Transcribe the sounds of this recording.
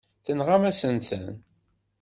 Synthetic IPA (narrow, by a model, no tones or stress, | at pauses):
θənʁamæsənθə̰n